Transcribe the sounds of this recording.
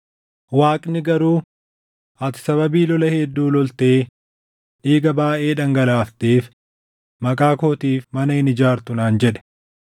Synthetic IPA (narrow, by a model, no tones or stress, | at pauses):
waːkʼnɪɡɐɾuː | ɐt̪ɪ̥sɐβɐbiːlɔlɐhɛd̪ːuːlɔlt̪eː | ᶑiːɡɐbaːʔeːᶑɐŋɡɐlaːft̪eːf | mɐkʼaːkoːt̪iːfmɐnɐɪnɪd͡ʒaːɾt̪ʊnaːnd͡ʒɛᶑɛ̥